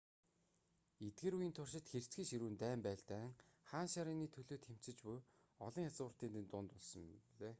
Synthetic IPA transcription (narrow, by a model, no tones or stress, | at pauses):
et̪̚ɡeːɾujɘ̆nt̪ʰʊr̥ʃɪ̆t̪xer̥t͡sɡiːŋʃiɾuːnt̪æːmpæːɮt̪æːŋχaːnʃaɾiːniːt̪ʰɵɮoːt̪xem̥t͡sɘ̆t͡ɕpʊj | ɔɮɞ̆ŋat͡sʊːr̥t̪iːnt̪ɘ̆nt̪ʊːnt̪ʊɮsɞ̆mɮeː